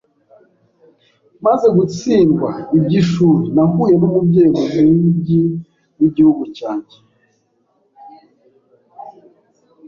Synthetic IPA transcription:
maze̞ɡut͡siːŋɡwaibɟiʃuːɾinahuːje̞numubɟe̞ːɡomiɟi | wiɟihuɡucaːɲɟe

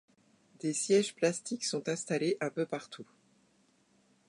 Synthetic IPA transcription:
d̪esjɛʒplast̪iksɔ̃t̪ɛ̃st̪aleʔɛ̃pøpaʁt̪ʰu

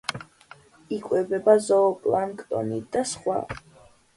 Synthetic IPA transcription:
ikʼwɛbɛbazɔːpʼlankʰʼt̪ʼɔ̰nid̪asχwa̰

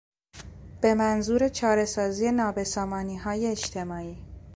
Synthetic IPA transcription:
b̥e̞mænzuːɾe̞t͡ʃʰɒːɾe̞sɒːziːe̞nɒːbe̞sɒːmɒːniːɦɒːjeːt͡ʃt̪ʰe̞mɒːiː

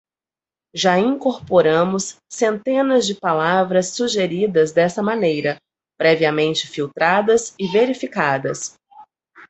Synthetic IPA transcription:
ʒaĩŋkoɾpoɾɐ̃mʊsː | ẽnt̪ẽnɐzd͡ʒɪpalavɾɐsːuʒeɾid̪ɐzd̪ɛsɐmɐ̃nejɾɐ | pɾɛviɐmẽnt͡ʃɪ̥fiwt̪ɾad̪ɐsɪveɾifikad̪ɐs

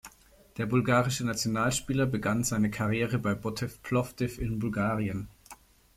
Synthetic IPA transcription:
d̥eːɐbʊlɡaːʁɪʃənat͡sjonaːlʃpiːlɐbəɡanzaɪnəkʰaʁjeːʁəbaɪbɔtʰɛfpʰlɔfd̥ɪfɪnbʊlɡaːʁiən

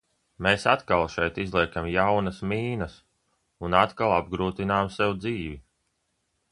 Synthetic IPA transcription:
meːsat̪kalˠʃɛjt̪izlˠiɛkamjawnɐsmiːnɐs | unat̪kalˠab̚ɡɾuːt̪inaːmsɛwd̪ziːvi

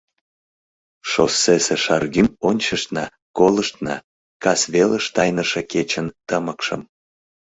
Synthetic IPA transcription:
ʃosːeseʃɑrɣymonʲt͡ɕəʃt̪nɑ | koləʃt̪nɑ̰ | kɑsβeləʃt̪ɑjnəʃeket͡ɕənt̪əməkʃə̰m

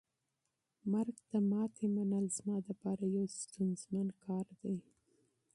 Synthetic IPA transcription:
maɾɡt̪əmɑt̪ʰemanəlzmɑd̪əpɑɾajawst̪unzmankʰɑɾd̪ej

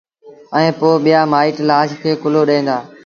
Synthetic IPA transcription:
ɛ̃ːpoːɓijaːmaːɪːʈlaːʃkʰeːkʊloːɗẽːnd̪aː

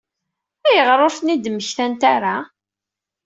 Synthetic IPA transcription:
æjəʁɾˤoɾθnid̪məçθænt̪aɾa

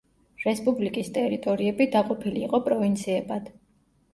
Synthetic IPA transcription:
ɾɛspʼublikʼist̪ʼɛɾit̪ʼɔɾiɛbid̪aqʼɔpʰiliːqʼɔpʼɾɔvint̪sʰiɛbad̪̥

